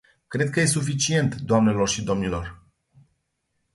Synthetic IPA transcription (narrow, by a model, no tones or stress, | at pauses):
kɾe̞d̪̚kəje̞sufit͡ʃie̞nt̪d̪oamne̞lo̞rʃid̪o̞mnilo̞r